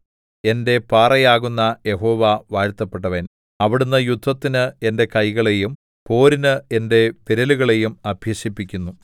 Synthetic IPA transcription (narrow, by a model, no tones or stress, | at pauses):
e̞nde̞paːrɐjaːɣunːɐje̞ɦo̞ːʋaʋaːɾt̪ːɐpːe̞ʈ̬ːɐʋen | ɐʋiɽunːɐjud̪ʱʋɐt̪ːinɨe̞nde̞kɐjɣɐɭe̞jum | po̞ːɾinɨe̞nde̞piɾɐluɣɐɭe̞jumɐbʱjɐɕipːikʲːunːu